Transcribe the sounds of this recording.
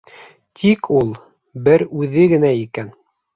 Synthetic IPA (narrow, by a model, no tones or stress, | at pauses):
t̪ʰikʰulˠ | bɘɾʉðɘɡɘ̆næikæn